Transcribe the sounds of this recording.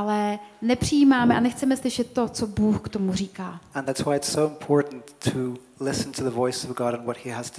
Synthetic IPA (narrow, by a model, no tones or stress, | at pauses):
ʔalɛnɛpr̝̥ɪjiːmaːmɛʔanɛxt͡sɛmɛslɪʃɛt̪̚t̪ːot͡sobuːxkt̪o̞mur̝iːkaːə̃nðætswaɪɨtsoʊə̃mpʰɔɹʔn̩tʰə | lɪsn̩tʰɨðəvɔɪsʌvɡɑɾə̃nwʌt̚hiəz̥ʰ